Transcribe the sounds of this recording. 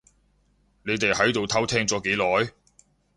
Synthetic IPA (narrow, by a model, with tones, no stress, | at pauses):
ne˨˧jt̪e˨jhɐ˨˥jt̪o˨wt̪ʰɐ˥wt̪ʰɛː˥ŋt͡sɔː˨˥ke˨˥jlɔː˨˥j